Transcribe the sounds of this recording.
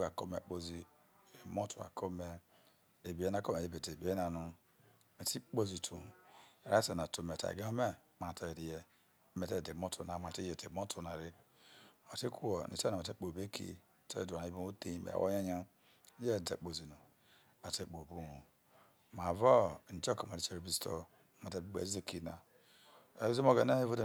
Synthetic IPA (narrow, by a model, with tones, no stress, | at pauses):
a˨ko˦mḛ˨k͡po˦zi˦ | e˨mo˦tu˨a̰˨kʰo˦me˦ | e˨bi˨e˦na˦ko˦me˨e˦be˨te˨bi˨˦e˦na˨nu˦ | me˨ti˦k͡po˦zi˨tʰu˨ɾa˦se˨na˨tu˨me˨ta̰˨ɡe˦o˦me˦ | ma˨ta˦e˨ɾi˨je˦ | me˨te˦˨de˨mo˦tu˨na˨m˨a˨te˦je˨de˨mo˦tʰu˦˨na˨ɾi˦ | o˨ti˦ku˦wo˨nḭ˨te˦a˨me˨te˦k͡po˨be˦kʰḭ˦˨ | tḛ˦du˨na˨i˦bo˦o˦te˦ḛ˨a̰˨wo̰˦a˦ɲa˦ | je˦˨dḛ˨k͡po˨zi˨nu˨ | a˨te˦k͡po˨bu˦nu˨ | ma˨vo˦˨n̩˨t͡ʃo˦ko˨ma˨ɾi˦t͡ʃe˦ɾe˨bi˦sto̰˦ | ma˨te˦ɡ͡bḛ˨zi˦ze˦ki˦na˨ | e˨i˦zi˦mo˦ɡe˨ne˦he˦vo˦de˨